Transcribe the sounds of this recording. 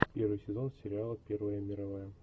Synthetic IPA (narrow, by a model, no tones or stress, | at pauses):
pʲeɾvɨjsʲɪzo̞nsʲɪɾʲɪalˠəpʲervəjəmʲɪɾɐvajə